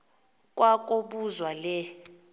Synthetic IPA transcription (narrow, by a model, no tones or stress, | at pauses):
k̬ʼwak̬ʼoɓuzwalɛ